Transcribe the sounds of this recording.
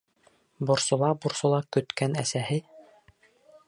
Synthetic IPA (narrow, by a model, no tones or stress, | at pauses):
bŏɾsŏlˠɑboɾsŏlˠɑkɵ̆t̪kænæsæhɘ